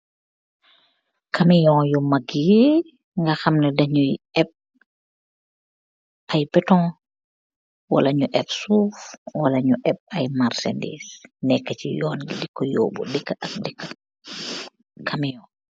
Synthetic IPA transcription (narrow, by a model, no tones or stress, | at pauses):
kʰɐmijɔ̃ːjɔmaɡije | ŋɡaxɐmnɛdɐɲujɛp̚ | ʔɐjpɛtɔ̃ː | wɐ̰lɐɲuʔɛpsuːfwɐlɐɲuʔɛp̚ɐjmaɾsḛndḭːsnɛkːɐt͡ʃḭjɔːnɡdikːɔjɔ̰ːbɔ̰dikːəʔɐk̚dikːa | kʰɐmijɔ̃